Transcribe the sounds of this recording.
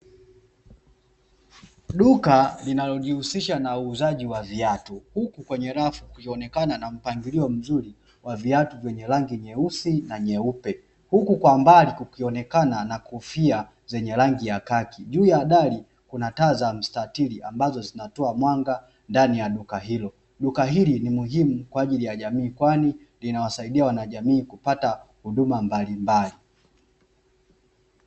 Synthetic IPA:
ɗukalinalɔʄihusiʃanauːzaʄiwaviatuhukukwɛɲɛɾafu̥kuiɔnɛkananam̩paŋɡiliɔm̩zuɾi | waviatuvjɛɲɛlaŋɡiɲɛusinaɲɛupɛ | hukukwambalikukiɔnɛkananakufia | zɛɲɛlaŋɡijakakʰiʄuːjaːɗali | kunatazam̩statiliʔambazɔzinatɔamwaŋɡa | ndanijaɗukaɦilɔ | ɗukaɦilinimuɦimukwaːʄilijaʄamiːkwani | linawasaiɗiawanaʄamiːkupatahuɗumambalimbali

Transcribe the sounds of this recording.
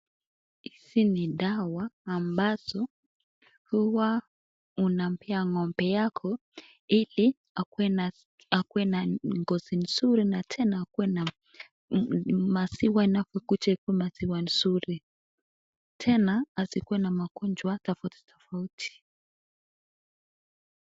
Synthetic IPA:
hisiniɗawaːmbaz̥ɔ | huwa | unam̩pʰɛaŋɔmbɛjakʰɔ | ili | akɛa | akuwɛnaŋɡɔzin̩suɾinatʰɛnaakuwɛna | masiwainavɔkut͡ʃaikuwɛmaziwansuɾi | tʰɛnaːzikuwɛnamakɔnd͡ʒwatɔfauti̥tʰɔfautʰi̥

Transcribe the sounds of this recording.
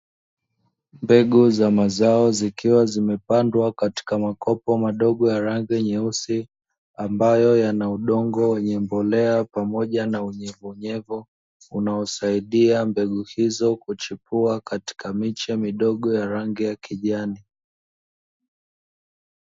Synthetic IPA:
mbɛɠuzamazaɔzikiwazimɛpandwakati̥kamakɔpɔmaɗɔɠɔjaɾaŋɡiɲɛusi | ambajɔjanauɗɔŋɡɔwɛɲɛmbɔlɛapamɔʄanauɲɛvuɲɛvɔ | unaɔsaiɗiambɛɠuhizɔkut͡ʃipuakati̥kamit͡ʃɛmiɗɔɠɔjaɾaŋɡijakiʄani

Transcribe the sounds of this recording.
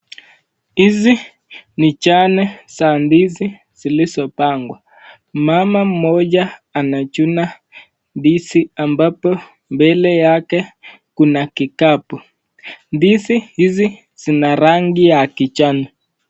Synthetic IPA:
hizi | nit͡ʃanɛsandizi | z̥ilisɔpaŋɡwa | mamam̩mɔd͡ʒaːnat͡ʃuna | ndisiambapɔ | mbɛlɛjakɛ | kunakikapu | ndisihizi | z̥inaɾaŋɡijakit͡ʃanɛ

